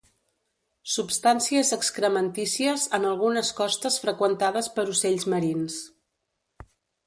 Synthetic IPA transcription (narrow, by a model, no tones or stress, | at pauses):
supst̪ansiəzəkskɾəmənt̪isiəzənəlˠɣunəskɔst̪əsfɾəkwənt̪aðəspəɾuseʎzməɾins